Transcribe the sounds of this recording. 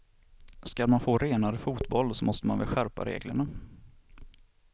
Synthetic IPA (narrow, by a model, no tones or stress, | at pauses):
skalmanfoːɾeːnaɾəfuːt̪bɔlsɔmɔst̪əmanvɪlɧæɾpa̰ɾḛːɡlə̰ɳa